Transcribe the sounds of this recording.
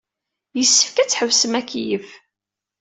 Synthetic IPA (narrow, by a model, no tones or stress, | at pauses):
jəsːə̥fkæt͡sːħəvsəmækːijəf